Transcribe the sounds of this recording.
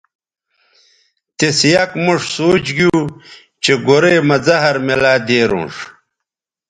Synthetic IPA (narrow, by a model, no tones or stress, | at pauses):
t̪esjɐkmuʂsoːt͡ɕɡuː | t͡ɕeɡoɾejmɐd͡zɐɦɐɾmelaːd̪eːɾṵ̃ːʂ